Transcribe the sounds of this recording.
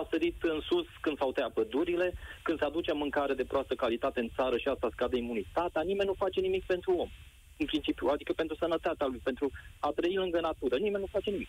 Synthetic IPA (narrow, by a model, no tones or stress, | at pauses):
asəɾit̪ɨnsuskɨnd̪sawt̪eapəd̪uɾile̞kɨnsad̪ut͡ʃeamɨŋkaɾe̞d̪e̞pɾoast̪əkalit̪at̪e̞ɨnt̪saɾəʃiast̪askad̪əimunit̪at̪eanime̞nʲnufat͡ʃe̞nimik̚pe̞nt̪ɾuo̞m | ɨnpɾint͡ʃipjuad̪ikəpent̪ɾusənət̪at̪ealujpe̞nt̪ɾuat̪ɾəilɨŋɡənat̪uɾənimenʲnufat͡ʃe̞nimik